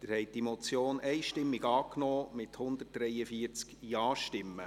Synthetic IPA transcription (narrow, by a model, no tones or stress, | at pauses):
d̥̪ɪɾhɛɪt̚d̥imɔt͡sjoːnʔɛɪʃtɪmːiɡɑːknɔːmɪthʊnd̪ət̚d̥ɾɛɪəfiət͡skjɑːʃtɪmːə̰